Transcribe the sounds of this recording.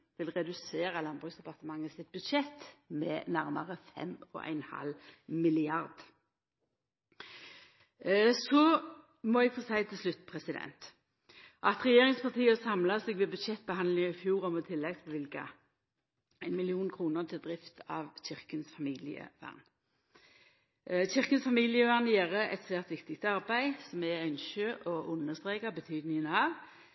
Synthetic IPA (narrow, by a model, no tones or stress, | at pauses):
ʋɪlʁɛd̪ʉseːʁɑlɑnbʁʉːsd̪ɛpɑʁt̪əmɑŋːəsɪt̪̚bʉd̪ʃɛt̪mɛ̰næʁməʁəfɛ̰mɔ̰ʔæ̰ɪnhɑ̰lmɪlɪɑʁd̪ | sɔ | mɔɛɡ̥fɔsæɪt̪ʰɪlslʉt̪ːpʰʁɛsɪd̪ɛ̰nt̪ | ʔɑt̪ʁɛjeːʁɪŋspʰɑʁt̪ʰiːəsɑmlɑsɛːɡʋɛbʉd̪ʃɛt̪̚ːbəhɑnd̪lɪŋɪfjuːʁɔmɔt̪ʰɪlːɛɡsʋɪlkɑ̰ | æɪnmɪlɪuːnkʰʁuːnəʁt̪ʰɪld̪ʁɪft̪ʰɑʋɕɪʁkənsfɑmiːlɪ̰ə̰ʋæ̰ʁn | ɕɪʁkənsfɑmiːlɪəʋæʁnjeːʁəʔɛ̰t̪sʋæːʁt̪ʋɪkt̪ɪk̚t̪ɑʁbæɪsɔmɛœnʃøːʔɔʔʊnːəst̪ʁeːkɑbət̪ʰyːd̪nɪŋənɑʋ